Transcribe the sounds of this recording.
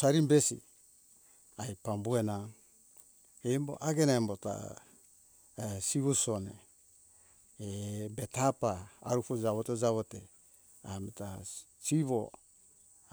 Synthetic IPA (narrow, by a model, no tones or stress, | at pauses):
saɾimbesḭ | ajpambue̞na | embo̞̰ʔaɡenaembota̰ | siβusonḛ | ebetapaːɾufud͡ʒaβoted͡ʒaβote | ameta | siβo